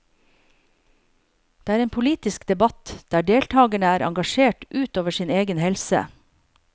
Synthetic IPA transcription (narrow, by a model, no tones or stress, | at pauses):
d̪̥eːæːɾeːnpʰʊliːt̪ɪskd̪ɛbɑt̪d̪̥æːɖeːlt̪ʰɑːɡəɳəæːɾʔɑ̰ŋɡɑʃeːʈʔʉːt̪oːʋəʃiːneːɡənhɛlsə̰